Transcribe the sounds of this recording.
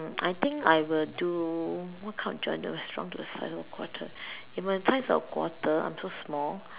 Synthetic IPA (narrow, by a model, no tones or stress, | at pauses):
ajt̪ɪ̃ŋkajwilduwɔkʰãʊ̃n̚d͡ʒɔ̰̃ndṵɹɛstɹɔ̰̃ŋtuəsa̰ɪsɔkʰwɔ̰tʰə | ifmasaɪsɔ̰kʰwɔ̰tʰəã̰j̃msosmɔl